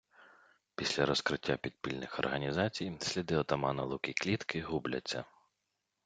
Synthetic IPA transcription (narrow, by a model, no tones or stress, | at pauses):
pʲisʲlʲɐɾɔskɾɪtʲːapʲid̪̚pʲilʲnɪxɔ̰rɦɐnʲizɑt͡sʲijsʲlʲid̪ɪɔt̪ɐmɑnɐlˠukʲiklʲit̪kɪɦublʲɐ̰t͡sʲːɐ̰